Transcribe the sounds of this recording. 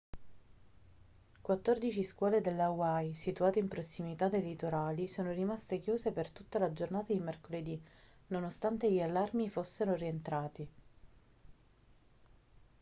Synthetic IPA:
kwat̪ːord̪it͡ʃiskwɔːled̪elːawajsit̪uaːt̪eimpɾosːimit̪ad̪elit̪oɾaːlisoːnoɾimast̪ekjuːzepert̪ut̪ːalad͡ʒornaːt̪ad̪imerkoled̪inonost̪ant̪eʎialːarmifosːeɾorient̪ɾaːt̪i

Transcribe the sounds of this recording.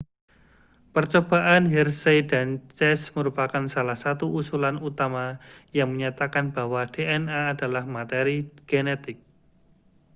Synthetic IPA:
pərt͡ʃob̥aʔanɦɛrsedant͡ʃɛsməɾupakansalahsat̪uʔusulanut̪amajaŋməɲat̪akanb̥awad̥eʔɛnaːdalahmat̪eɾiɡ̥enet̪ɪk̚

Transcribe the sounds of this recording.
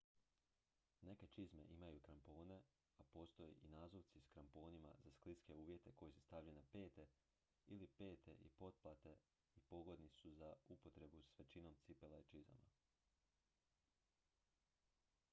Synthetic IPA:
ne̞ke̞t͡ʃizme̞̰ʔimajukɾampo̞ːne̞ | apo̞ːst̪o̞jḛʔinaːzoʋt̪siskɾampo̞ːnima̰z̥asklit̪ske̞uːʋje̞t̪e̞ko̞jesu̥st̪aʋʎe̞nepe̞ːt̪e̞ | ilipe̞ːt̪e̞̰ʔḭpo̞t̪̚plˠat̪e̞ | ipo̞ɡo̞d̪nisuzaupo̞t̪ɾe̞busʋe̞t͡ʃino̞mt̪sipelait͡ʃiza̰ma̰

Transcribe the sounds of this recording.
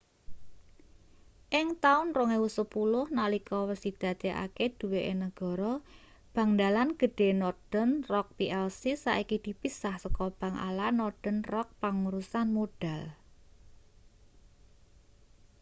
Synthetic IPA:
ʔɪŋt̪aʊnrɔŋewusəpulʊhnalikɔwəsid̪̥ä̤t̪ɛʔa̰ked̪̥ṳweʔenəɡ̥ɔ̤ɾɔ | b̥a̤ŋd̪alanɡ̥ə̤ɖ̥e̤nɔrd̥ə̤nrɔk̚piʔɛlsisːa̰ʔikid̪̥i̤pisahsəkɔb̥a̤ŋʔa̰lanɔɖ̥ə̤nrɔk̚paŋuɾusanmoɖ̥al

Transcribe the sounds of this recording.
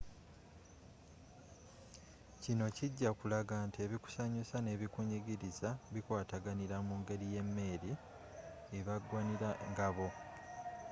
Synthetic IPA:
cino̞ciɟːakulaɡantie̞βiku̥saɲusane̞ːβikuɲiɡiɾizaβikwaːtaɡaniɾamuːŋɡe̞ɾije̞mːe̞ːɾi | eβaɡwaniɾaŋɡaβo̞

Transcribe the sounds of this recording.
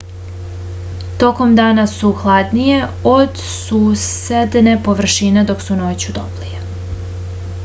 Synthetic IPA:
t̪o̞ko̞md̪aːnasuxlˠad̪nije̞od̪ | suːsed̪ne̞po̞ʋr̩ʃine̞d̪o̞ksunoːt͡ɕud̪oplije

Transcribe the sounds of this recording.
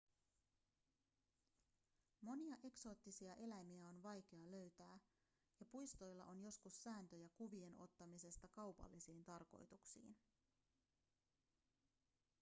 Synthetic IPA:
mo̞niɑʔe̞kso̞ːt̪ːisiɑʔe̞læmiæo̞nʋɑjk̟e̞ɑløɥt̪æː | jɑpujst̪o̞jlːɑʔo̞njo̞skusːæːnt̪ø̞jækuʋie̞no̞̰t̪ːɑmise̞st̪ɑkɑwpɑ̰lːisiːnt̪ɑrko̞̰jt̪uksḭːn

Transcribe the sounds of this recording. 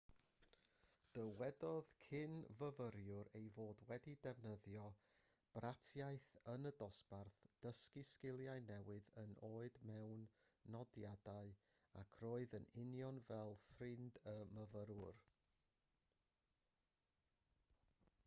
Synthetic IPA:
d̥əwɛdɔðkʰɪnvəvəɾjʊɾejvoːdwɛdidɛvnəðjɔ | b̥ratʰjaɨθənədɔsb̥arθd̥əskɪskɪlˠjaɨnɛwɨðənʔoːɨdmɛwnːɔdjadaɨ | akʰroːɨðənɪnjɔnvɛlˠfrɪndəməvəɾʊr

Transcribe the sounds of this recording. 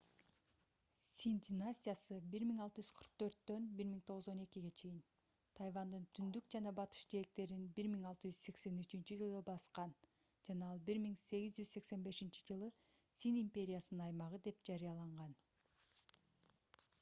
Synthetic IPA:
sʲind̪ʲinasʲijasɯbiɾmiŋɑlˠt̪ɯd͡ʒyz̥qʰɯɾq̚t̪ø̞ɾt̪ːø̞nbiɾmiŋt̪ʰo̞ʁɯzo̞ne̞kiɡe̞t͡ʃʰe̞jin | t̪ʰɑjvɑnd̪ɯnt̪ʰynd̪ykd͡ʒɑnɑbɑt̪ɯ̥ʃd͡ʒeek̚t̪e̞ɾinbiɾmiŋɑlˠt̪ɯd͡ʒyz̥se̞kse̞nyt͡ʃynt͡ʃyd͡ʒɯlˠbɑsqɑn | d͡ʒɑnɑɑlˠbiɾmiŋse̞ɡʲizd͡ʒyzse̞kse̞nbe̞ʃint͡ʃi̥d͡ʒɯlˠɯsinimpʲe̞ɾʲɪjasɯnɯnɑjmɑʁɯd̪e̞pd͡ʒɑɾijɑlˠɑɴʁɑn

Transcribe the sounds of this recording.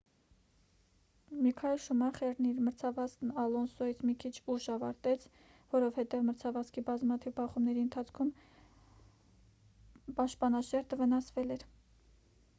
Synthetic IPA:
mikʰɑɛlʃumɑχɛɾniɾməɾt͡sʰɑvɑsknɑlɔnsɔjit͡sʰmikʰit͡ʃʰuʃɑvɑɾt̪ɛt͡sʰ | vɔɾɔvhɛt̪ɛvməɾt͡sʰɑvɑskʰibɑzmɑt̪ʰivbɑχumnɛɾiənt̪ʰɑt͡sʰkʰum | pɑʃt̪̚pɑnɑʃɛɾd̪əvənɑsvɛlɛɾ

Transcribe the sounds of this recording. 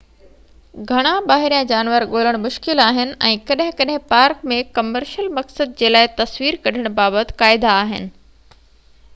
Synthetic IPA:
ɡʱɐɽ̃ãɓaːɦɪɾijãd͡ʑaːnʋəɾɠoːləɽ̃mʊʃkɪlaːɦɪnɪ̆ʔɛ̃ːkɐɗɦɪ̃kɐɗɦɪ̃paːɾkmẽkɐməɾʃəlmɐksəd̪̚d͡ʑeːlaːɪt̪ɐsʋiːɾkɐɗ̤əɽ̃baːbət̪ɪ̥̆kaːɪd̪aːɦɪnɪ̆

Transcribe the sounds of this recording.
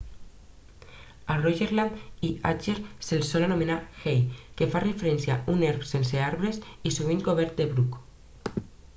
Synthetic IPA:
aroʝeɾland̪iat͡ʃeɾselsolanomenaxejkefarefeɾenθjauneɾksenseaɾβɾesisuβiŋkoβeɾt̪̚d̪eβɾuk

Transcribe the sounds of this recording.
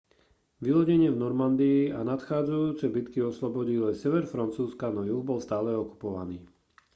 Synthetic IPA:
ʋilɔɟɛɲɪɛvnɔɾmand̪iːanat̪xaːd͡zajuːt͡sɛbit̪kiɔslɔbɔɟilɛsɛʋɛɾfɾant͡suːskanɔjubɔlst̪aːlɛɔku̥pɔʋa̰niː

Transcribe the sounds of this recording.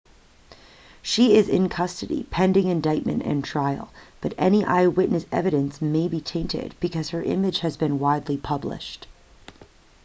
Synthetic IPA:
ʃiɪzɪ̰̃nkʰʌstɨɾḭpʰɛ̃ndɪ̃ŋɨ̃ndaɪt̚mɨ̰̃ntɨ̰̃ntʰɹ̥aɪl̩ˠb̥ʌɾɛniʔa̰ɪwɪʔⁿnɨsɛ̰vɨɾɨ̃nsmeɪbitʰẽɪ̃ntɪ̰d̚b̥ɨkʰʌz̥ə˞ʔɪ̰̃mɨd̥ʒ̥hɨzbɨ̃nwaɪdˡlipʰʌblɪ̰ʃt

